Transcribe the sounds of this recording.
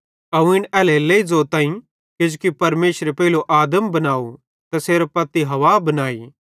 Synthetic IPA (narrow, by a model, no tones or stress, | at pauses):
ɐũɪɽɛːleleːid͡zoːt̪ãːĩ | kɪd͡ʒukipɐɾmeːʃɾepɛːloʔaːd̪əmbɐnaːu | t̪ɐseːɾapɐt̪ːiɦɐʋaːbɐnaːḭː